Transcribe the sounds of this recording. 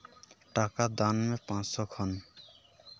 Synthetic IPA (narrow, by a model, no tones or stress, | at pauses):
ʈakad̪anmepãt͡ssɔkʰɔn